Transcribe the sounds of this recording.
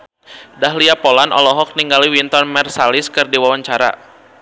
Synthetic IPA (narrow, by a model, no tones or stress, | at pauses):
daɦliapɔlanʔɔ̰lɔɦɔk̚niŋɡaliwint̪ɔnmɛrsalɪskɨrdiwawaɲt͡ʃaɾa̰